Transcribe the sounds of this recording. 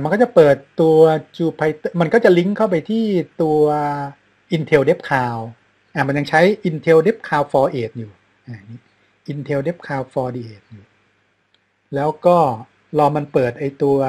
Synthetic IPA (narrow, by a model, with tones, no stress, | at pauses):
ma˧nkɔː˥˩t͡ɕa˨˩pɤː˨˩t̪ːu˧ɐt͡ɕuː˧pʰa˧jt̪ɤ˥˩ma˧nkɔː˥˩t͡ɕa˨˩li˦˥ŋkʰa˥˩wp̬a˧jt̪ʰiː˥˩t̪u˧ɐɐ | ʔi˧nt̪ʰe˧wde˦˥p̚kʰaː˧w | ʔa˨˩ma˧nja˧ŋt͡ɕʰa˦˥jʔi˧nt̪ʰe˧wde˦˥p̚kʰaː˧wfɔː˧ʔeː˨˩t̪̚juː˨˩ | ʔa˨˩niː˦˥ | ʔi˧nt̪ʰe˧wde˦˥p̚kʰaː˧wfɔː˧diː˧˩ʔeː˨˩t̪̚juː˨˩ | lɛː˦˥wkɔː˥˩ | lɔː˧ma˧npɤː˨˩t̪̚ʔa˧jt̪u˧ɐ